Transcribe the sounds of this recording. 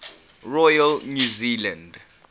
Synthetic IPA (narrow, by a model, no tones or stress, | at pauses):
rɔjalnjuziland